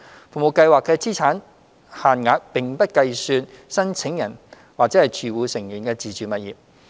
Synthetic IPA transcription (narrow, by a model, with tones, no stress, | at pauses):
fu˨˩mo˨˩wkɐ˧jwaː˨kːɛː˧t͡siː˥t͡sʰaː˨˥n | haː˨nŋaː˨˧˥k̚pɪ˨ŋpɐ˥t̚kɐ˧jsyː˧nsɐ˥nt͡sʰɪ˨˥ŋjɐ˨˩n | waː˨k̚t͡sɛː˨˥hɐ˨jt͡ʃʰyː˨˩wuː˨˧sɪ˨˩ŋji˨˩nkɛː˧t͡siː˨t͡ʃyː˨˩mɐ˨t̚jiː˨˩p̚